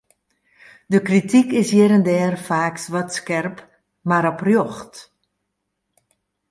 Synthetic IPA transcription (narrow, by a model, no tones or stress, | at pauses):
dəkritʰikɪsjɛɾəndɛːrfaːksʋɔtskɛrp | maɾɔprjoxt